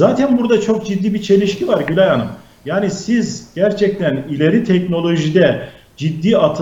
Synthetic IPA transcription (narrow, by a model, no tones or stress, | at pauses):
zaːt̪ʰænbuɾd̪at͡ʃʰo̞k̚d͡ʒid̪ːiːbit͡ʃʰe̞lʲiʃcʰivaɾɟylʲajanɯm | jaːnisizɟ̥æɾt͡ʃʰɛc̚t̪ʰænilʲe̞ɾit̪ʰɛcno̞lʲˠo̞ʒid̪ɛ | d͡ʒid̪ːiːat̪ʰ